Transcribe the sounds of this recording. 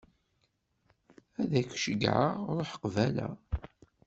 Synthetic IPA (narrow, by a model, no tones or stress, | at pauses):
æðæçʃəɡʕa̰ɾˤoħə̥qvælæ̰